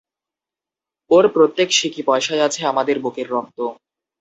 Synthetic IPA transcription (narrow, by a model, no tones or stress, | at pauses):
oɾpɾot̪ːekʃikipɔeʃad͡ʑat͡ɕʰeamad̪eɾbokeɾːɔk̚t̪o